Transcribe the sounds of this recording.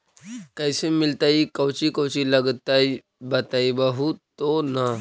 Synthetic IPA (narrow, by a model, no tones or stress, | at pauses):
kajsemilt̪aikəwt͡ɕikəwt͡ɕiləɡt̪ai | bət̪aibaɦut̪ona